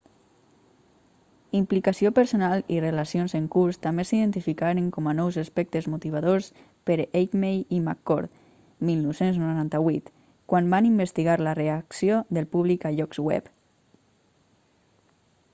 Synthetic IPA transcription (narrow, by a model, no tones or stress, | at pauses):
implikasiopəɾsonalˠirelasionzeŋkuɾst̪ambesiðent̪ifikaɾeŋkɔmanɔwzaspɛk̚t̪əzmut̪iβ̞aðos | pəɾejkmejima̰kːɔ̰ɾt̪ | milˠnɔwsenznuɾant̪aβwit̪ | kwambanimbest̪iɣaɾlareaksioðəlˠpuβ̞likaʎɔkzwɛ̰p